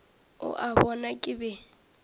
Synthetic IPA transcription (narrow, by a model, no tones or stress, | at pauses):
ʊ̰ʔabɔnakʼɪbɛ